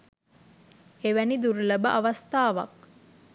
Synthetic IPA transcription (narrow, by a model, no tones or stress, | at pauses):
eʋænid̪uɾuləbəʔaʋast̪aːʋa̰k̚